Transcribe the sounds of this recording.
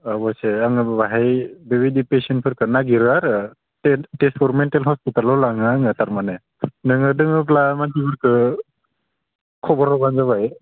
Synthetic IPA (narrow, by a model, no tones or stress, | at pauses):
abɔseaŋɯbabaɦajbeβidipesen̚pʰɯɾkʰɯnaɡiɾɯaɾ | etespʰɔɾmentalɦɔspitalɔlaŋɯŋɯtaɾmane | nɯŋɯdɯŋɯplamakibɯɾkʰɯ | kʰɔbɔɾɔbanzaβaj